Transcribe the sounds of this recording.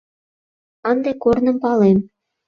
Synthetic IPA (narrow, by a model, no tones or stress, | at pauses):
ɑnd̪ɑkornɤ̆mpɑlˠemʲ